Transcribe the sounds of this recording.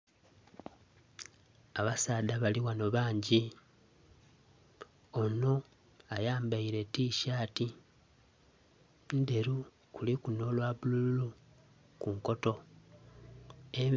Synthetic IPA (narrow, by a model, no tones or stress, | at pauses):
aβasaːdaβaliwano̞βaːɲɟi | o̞no̞ | ajaːmbaiɾe̞tiːʃaːti | nde̞ɾu | kulikuno̞lwaβuluulu | kuŋko̞to̞ | eɱ